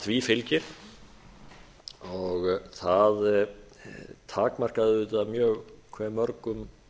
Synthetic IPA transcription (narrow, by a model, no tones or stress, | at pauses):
θviːfɪlcɪɾ̥ | ɔɣθað | t̪ʰaːkmar̥kaðʏʏːt̪amjœːɣkʰvɛmːœɾkʏm